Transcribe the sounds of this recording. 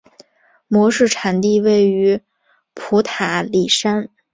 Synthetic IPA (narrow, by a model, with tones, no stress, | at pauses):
mwɔ˧˥ʂɻ̩˥˩ʈ͡ʂʰa˧˩nt̪i˥˧we˥˩ɪy˧˥ | pʰu˧˥t̪ʰa˧˩˦li˨˩ʂa˥n